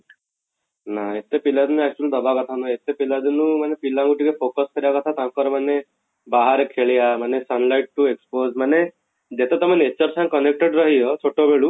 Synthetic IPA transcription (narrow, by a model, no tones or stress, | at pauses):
naet̪epilad̪inuɛk̚t͡ʃuld̪ɔbakɔt̪ʰanuet̪epilad̪inũmanepilaŋɡuʈikepʰokɔskɔɾibakɔt̪ʰat̪ãŋkɔɾɔmane | baɦaɾekʰeɭijamanesənlajʈ̚ʈuekspozmane | d͡ʒet̪et̪ɔmenet͡ʃɔɾsãŋkɔnek̚ʈeɖɾɔɦijɔt͡ʃʰoʈobʱeɭu